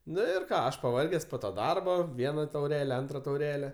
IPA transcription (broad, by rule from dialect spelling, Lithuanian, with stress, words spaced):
ˈnʊ ɪr ˈkɑː ˈɐʃ pɐˈʋɐrʲɡʲɛs poː toː ˈdɐrboː ˈʋʲiɛnɐ tɐʊˈrʲæːlʲɛ ˈɐntrɐ tɐʊˈrʲæːlʲɛ